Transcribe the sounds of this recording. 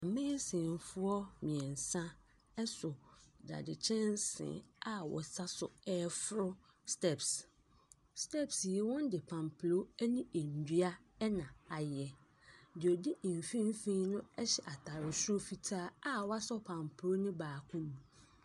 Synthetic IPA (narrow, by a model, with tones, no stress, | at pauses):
a˨mɛ̃˦sɪ̃˨n˨fʊ˦ɔ˦mĩ˨ɛ˨n̩˨sã˦ | ɛ˦sʊ˨da̰˨dɪ˨t͡ɕʰɛ̃˦n˦sɪ̰̃˨a˨wɔ̰˨sa˦sʊ˨ɛː˦fʊ˦ɾʊ˦ | stɛ˦˨ps | stʰɛ˦psɛ˨wɔ̃˦n˦dɪ˨pʰã˨mpʰlo˦ɛ˦nĩ˦e˨n̩˨dɥa˦ɛ˦nã˨a˨jɛ˨ | dɪ˨ɔ˨di˦ɪ˨m˨fĩ˦n˦fẽ˦nʊ̃˦ɛ˦ɕɛ˨ʔa˨tʰa˨ɾɪ˨sʊ˦o˦fi˨tʰaː˦a˦wɔ˦a˦sɔ˦pʰã˨mpʰɾo˦nʊ̃˦baː˨kʰũ˦mũ˨